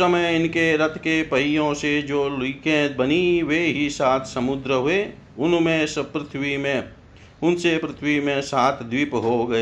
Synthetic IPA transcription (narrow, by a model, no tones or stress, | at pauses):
əməjɪnkeɾət̪ʰkepəɪjõsed͡ʒoːlikẽbəniweɦisaːt̪ʰsəmʊd̪ɾəɦue | ʊnmẽspɾɪt̪ʰwimẽ | ʊnsepɾɪt̪ʰwimẽsaːt̪ʰd̪ʋiːpɦoɡɐe